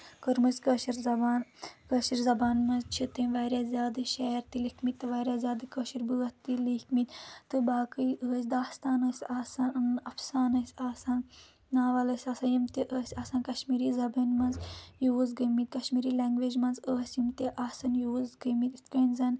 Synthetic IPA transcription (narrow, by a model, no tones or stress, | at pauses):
kəɾmɐzʲkəːʃiɾzɐbaːnkəːʃiɾzɐbaːnmɐnzt͡ʃʰit̪ɨnʋaːɾʲaːzʲjaːd̪ɨʃɛːɾt̪ilikʰmit̪ːɨʋaːɾʲjaːzʲjaːd̪ɨkəːʃiɾbɨːɐt̪ːilikʰmit̪ʲt̪ɨbaːkɨjʔəːsʲd̪aːst̪aːnəːsʲaːsaːnɨnɐfsaːnɐːsʲaːsaːn | naːʋɐlɐsʲaːsanjimt̪eʔəːsʲaːsaːnkɐʃmiːɾizɐbɐnmɐnzjuːzɡəmit̪̚kɐʃmiːɾiːleŋɡʋeːd͡ʒmɐnzəːsʲjimt̪eʔaːsɐnjuːzɡəmit̪it̪kənzɐn